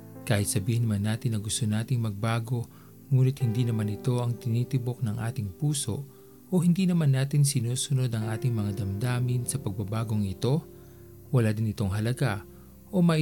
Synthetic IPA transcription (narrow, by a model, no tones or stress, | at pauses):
kaːhɪt̪sɐbiːhɪnmanːaːt̪ɪnːɐɡʊst̪onaːt̪ɪŋmɐɡ̚baːɡo̞ | ŋuːnɪt̪̚hɪnd̪iːnɐmanɪt̪o̞ʔɐŋt̪ɪniːt̪ɪbo̞k̚nɐŋʔaːt̪ɪŋpuːso̞ʔ | ʔohɪnd̪iːnɐmanːaːt̪ɪnsɪnuːsʊno̞d̪ɐŋʔaːt̪ɪŋmɐŋad̪ɐmd̪aːmɪnsɐpɐɡ̚bɐbaːɡo̞ŋɪt̪o̞ | wɐlaːd̪ɪnɪt̪o̞ŋɦɐlɐɡa | ʔo̞mɐ